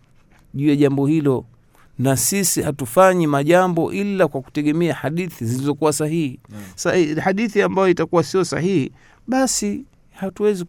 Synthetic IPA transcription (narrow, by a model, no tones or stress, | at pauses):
ʄuːjaʄambɔhilɔ | nasisihatufaɲimaʄambɔ̰ʔilakwaku̥tɛɠɛmɛahaɗiθizilizɔkuwasahihisahaɗiθiambajɔitakuwasiɔsa̰hihi | ɓasi | hatuwɛzi